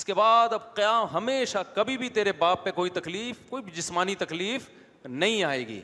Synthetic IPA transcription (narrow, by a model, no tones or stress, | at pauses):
ɪskebaːd̪ɐbqɐjaːmɦɐmeːʃakɐbʱibʱit̪eːɾebaːpːekoːit̪ɐkliːfkoːibʱid͡ʒɪsmaːnit̪ɐkliːf | nɐɦĩaːḛːɡḭː